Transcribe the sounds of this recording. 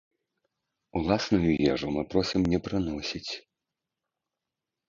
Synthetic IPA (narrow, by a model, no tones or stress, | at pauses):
ulˠasnujujɛʐumɨpɾɔsʲimnʲɛpɾɨnɔsʲit͡sʲ